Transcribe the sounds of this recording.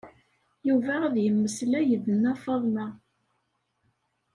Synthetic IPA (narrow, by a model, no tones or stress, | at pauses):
juvææðjəmːəslæjəðənːæfɑðˤmæ